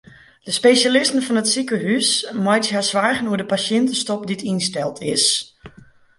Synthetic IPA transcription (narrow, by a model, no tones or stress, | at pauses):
d̥əspejʃalɪstən̩fɔnətsikəɦysmɔjtɦasʋaːɹɣənuədəpasjɪntəstɔp̚ditinstɛlˠtʰɪs